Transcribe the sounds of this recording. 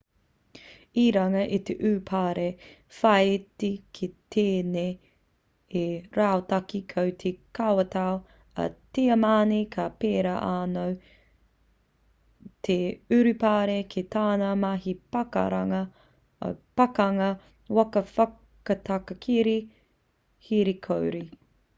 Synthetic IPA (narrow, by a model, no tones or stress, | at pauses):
iɾɐŋɐʔit̪eʔʉːpʰaːɾe | fɐjtikʰit̪ʰeːneː | eɾaːotɐkikʰɐwt̪ʰekawɐt̪ao | ɐ̰teɐmaːnikʰapeːɾaʔaːnow | tʰeʉɾʉpaːɾekʰetaːnɐmaɦipɐkɐ̰ɾɐ̰ŋɐ̰ | pɐkɐŋɐ | wɐkɐfɐ | kɐtʰɐkɐkʰiɾi | hiɾikʰowɾi